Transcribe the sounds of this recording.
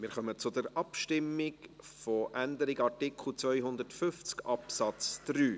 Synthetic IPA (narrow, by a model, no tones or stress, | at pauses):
mɪːɾχœmət͡sʊd̪əɾɑpʃtɪmːɪk | fɔʔændəɾɪɡɑrtɪkl̩ˠt͡svœʏɦʊnd̪əɾtfʏft͡skɑpsɑt͡sd̪̥ɾyː